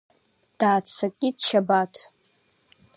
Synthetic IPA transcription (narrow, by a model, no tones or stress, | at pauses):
d̥aːt͡sʰakʲʼidʃʰabatʰ